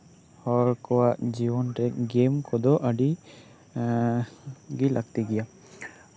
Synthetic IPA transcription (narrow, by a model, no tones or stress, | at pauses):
hɔɾkɔwaʔd͡ʒiwɔnʈɛkɡemkɔd̪ɔʔəɖi | ɡilʔaɡ̚t̪iɡɛja